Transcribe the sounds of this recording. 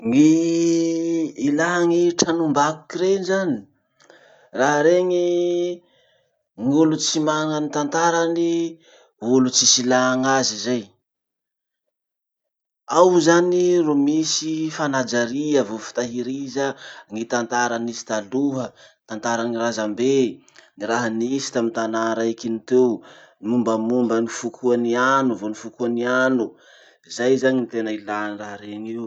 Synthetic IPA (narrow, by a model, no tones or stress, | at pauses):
ŋi | ilaɦŋiʈ͡ʂanumbaku̥kiɾenzani̥ | raɦɾeŋi | ŋulut͡simaŋanit̪ant̪aɾani | ulut͡sisilaŋazizaj | awzaniromisifanad͡ʒaɾiəvofi̥t̪aɦiɾizəŋit̪ant̪aɾanisi̥t̪aluɦət̪ant̪aɾaniɾazambe | ŋiɾaɦanisi̥t̪amint̪anaɾaikinit̪ewmumbəmumbənifukʰuanianuvonifukuanianu | izajzaɲinit̪enəilanraɦɾeŋiw